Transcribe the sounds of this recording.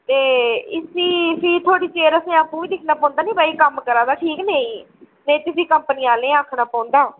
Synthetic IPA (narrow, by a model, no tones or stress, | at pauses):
t̪eːɪsiːsiːt̪ʰoːɽiːt͡ʃeːɾəsĩːaːpũːiːd̪ɪkʰnaːpɔ̃ːnd̪aːnĩːbaːiːkəmkəɾãːd̪aːʈʰiːknẽĩː | nẽĩːt̪ʊsiːkəmpənɪjãːlẽːaːkʰnaːpɔ̃ːnd̪aː